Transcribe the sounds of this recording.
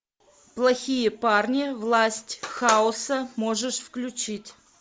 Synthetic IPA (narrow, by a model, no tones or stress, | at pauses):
plˠɐxʲijəparnʲɪvlˠasʲtʲxaʊsəmo̞ʐɨʂfklʲʉt͡ɕitʲ